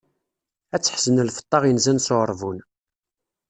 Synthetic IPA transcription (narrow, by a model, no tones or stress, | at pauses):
æt͡sːħzənəlfə̥t̪ˤːɑʁjənzænsoʁəɾˤvun